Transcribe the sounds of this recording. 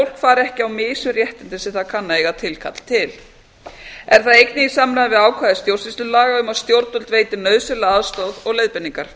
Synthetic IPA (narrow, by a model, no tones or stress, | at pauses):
owl̥kfaːɾɛhcɪawmɪːsʏrjɛht̪ɪnt̪ɪsɪθakʰanːaeɣat̪ʰɪlkʰa̰t̪l̥t̪ʰɪl | ɛɾ̥θaðejknɪisaːmɾaðavɪðaːwkʰvaðɪst̪jowrsɪst̪ʏlaːɣaʏmawst̪jowɾt̪ʏlt̪veːjt̪ɪnœːðsɪlaaðst̪owðɔɣlejðpɪnːiŋkaɾ̥